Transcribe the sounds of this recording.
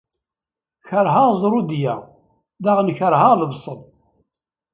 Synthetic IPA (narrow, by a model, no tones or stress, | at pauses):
çəɾɦaʁzˤɾˤud̪jæ | ðaʁənçəɾɦaləbsˤəðˤ